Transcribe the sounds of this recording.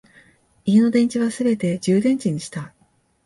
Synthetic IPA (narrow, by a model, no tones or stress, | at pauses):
ieno̞d̪ẽ̞ɲ̟t͡ɕiβasɨbe̞t̪e̞ʑɨːd̪ẽ̞ɲ̟t͡ɕiɲ̟iɕi̥t̪a